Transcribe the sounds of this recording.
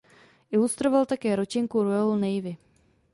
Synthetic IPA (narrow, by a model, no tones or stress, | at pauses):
ʔɪlust̪ɾovalt̪akɛːɾot͡ʃɪŋkuɾualnɛjvɪ